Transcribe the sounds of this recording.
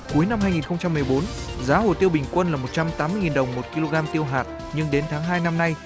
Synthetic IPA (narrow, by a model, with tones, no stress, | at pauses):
ku˨˦jna˧mɦaː˧jŋi˨˩nxə˧ŋ͡mt͡ɕa˧mːɨ˨˩əjɓo˨˦nzaː˨˦ɦo̰˧˨jt̪i˧əwɓï˨˩ŋ̟kwə˧nlaː˨˩mo˨˩t̚t͡ɕa˧mt̪aː˨˦mɨ˧jŋi˨˩nɗə˨˩wŋ͡mmo˨˩t̚ki˧lo˧ɣaː˧mt̪i˧əwɦaː˨˩t̚ | ɲɨ˧ŋɗe˨˦nt̪ʰaː˨˦ŋɦaː˧jna˧mna˧j